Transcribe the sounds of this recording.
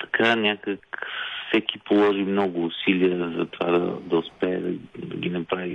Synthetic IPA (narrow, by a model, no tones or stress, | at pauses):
t̪ɐ̥kʰanʲakəkfsɛkipolˠɔʒimnɔɡʊːsiliəzɐt̪ova̰d̪ɐ̰d̪ɐʊspɛːd̪ɐd̪ɐ̰ɡʲinɐpɾavi